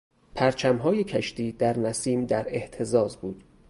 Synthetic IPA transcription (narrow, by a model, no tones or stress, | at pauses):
pʰæɾt͡ʃʰæmɦɒːjecʰæʃt̪ʰiːd̪̥æɾnæsiːmd̪æɾe̞ʔt̪ʰe̞zɒːzbuːd̪̥